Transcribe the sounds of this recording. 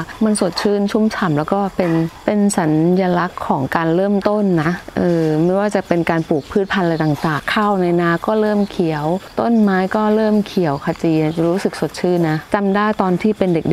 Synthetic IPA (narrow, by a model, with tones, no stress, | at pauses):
ma˧nso˨˩t̪̚t͡ɕʰɯː˥˩nt͡ɕʰu˥˩mt͡ɕʰa˩˦mlɛː˦˥wkɔː˥˩pe˧npe˧nsa˩˦njaː˧la˦˥kʰːɔː˩˦ŋkaː˧nɾɤː˥˩mt̪o˥˩nːa˦˥ʔʔɤː˧ma˥˩waː˥˩t͡ɕa˨˩pe˧nkaː˧npuː˨˩k̚pʰɯː˥˩t̪̚pʰa˧nla˧jt̪aː˨˩ŋt̪aː˨˩kʰːa˥˩wna˧jnaː˧˥kɔː˥˩ɾɤː˥˩mkʰi˨˩˦əwt̪o˥˩˨nmaː˦˥jkɔː˥˩ɾɤː˥˩mkʰi˨˩˦əwkʰa˧t͡ɕiː˧a˨˩t͡ɕa˨˩ɾuː˦˥sɯ˨˩k̚so˨˩t̪̚t͡ɕʰɯː˥˩˨nːa˦˥t͡ɕa˧mdaː˥˩jt̪ɔː˧nt̪ʰiː˥˩pe˧nde˨˩k̚de˨˩